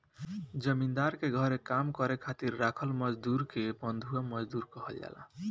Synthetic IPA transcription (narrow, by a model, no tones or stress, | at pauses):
d͡ʒʌmind̪aɾkeɡʱʌɾekamkɔɾekʰat̪iɾːakʰɔlmʌd͡ʒd̪uɾkebʌnd̪ʱuamʌd͡ʒd̪uɾkɔɦʌlja̰la̰